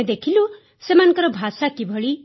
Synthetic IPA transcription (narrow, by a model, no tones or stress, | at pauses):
ed̪ekʰilu | semankʌɾɔbʱasakibʱʌɭi